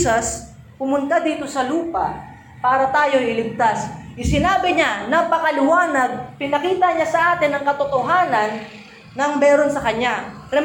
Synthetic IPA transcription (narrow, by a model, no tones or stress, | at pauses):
sɐs | pʊmʊnt̪ad̪iːt̪o̞sɐluːpɐ | paːɾɐt̪aːjo̞jʔɪlɪɡ̚t̪asʔɪsɪnaːbɪɲanɐpɐkɐlɪwaːnɐɡ̚pɪnɐkiːt̪ɐɲasɐʔaːt̪ɪnːɐŋkɐt̪ot̪oɦaːnɐnː | ɐŋbɛːɾonsɐkɐɲaɾɛ